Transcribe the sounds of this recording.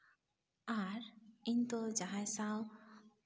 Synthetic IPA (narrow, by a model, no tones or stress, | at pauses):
aɾint̪od͡ʒaɦajsaw